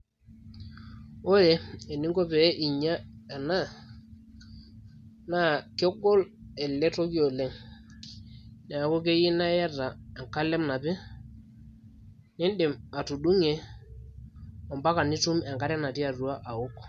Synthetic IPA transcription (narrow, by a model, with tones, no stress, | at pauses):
o˦jɛ˨e˨ni˦ŋɡo˦pɛ˨˦ʔi˨ɲa˦ɛ˨na˦˨ | na˦˨kɛ˦ɡɔ˦lɛ˨lɛ˦to˦ki˦o˨lɛ˦ŋ | nɛ˨a˨ko˦k̬e˦ji˦na˦jɛ˦ra˨ɛ˨ŋka˦lɛ˦mna˨pɪ˦ | nɪ˦nɗɪ˨ma˨tu˨ɗu˦ŋe˨ | ɔ˨mba˦ka˨ni˦tu˦mɛ˨ŋka˦ɾɛ˦na˨ti˦a˨ru˨˦a˦ʔa˨ʊ˦k